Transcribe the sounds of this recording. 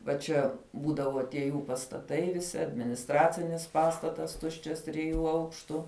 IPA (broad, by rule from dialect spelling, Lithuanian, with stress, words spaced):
ʋɐ ˈt͡ʃʲɛ ˈbuːdɐʋoː tʲiɛ ˈjuː pɐstɐˈtɐɪ ʋʲɪˈsʲɪ ɐdʲmʲɪnʲɪsˈtrɑːt͡sʲɪnʲɪs ˈpɑːstɐtɐs ˈtʊʃʲt͡ʃʲɛs tʲrʲɪˈjuː ˈɐʊkʃtʊ